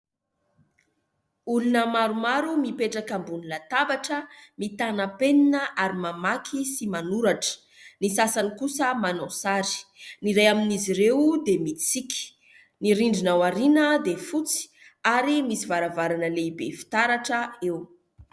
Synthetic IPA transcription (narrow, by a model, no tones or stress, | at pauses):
ulunəmaɾumaɾumipeʈ͡ʂakambunilat̪abaʈ͡ʂəmit̪anəpeninəʔaɾimamakʰisimanuɾaʈ͡ʂə̥ | nisasanikusəmanasaɾi̥niɾejaminiziɾewd̪emit͡siki̥ | niɾiɳɖ͡ʐinawaɾinəd̪efut͡si̥ | aɾimisivaɾavaɾanəleibefi̥t̪aɾaʈ͡ʂəew